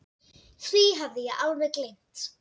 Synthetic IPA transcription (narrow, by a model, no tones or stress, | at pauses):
θɾiɦavðɪjaʔalvɛðklejm̥t̪